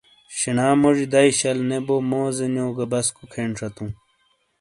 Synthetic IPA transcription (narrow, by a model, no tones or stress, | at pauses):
ɕinaːmoʐid̪aiɕɐlnebomoːzenjoːɡɐbɐskukʰeːɳʈ͡ʂʰɐt̪ũː